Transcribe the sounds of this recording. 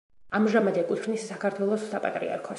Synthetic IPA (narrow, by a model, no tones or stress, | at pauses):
amʒamad̪ɛkʼwit͡ʃnisːakʰaɾt̪ʰwɛlˠɔsːapʼa̰t̪ʼɾḭa̰ɾkʰɔ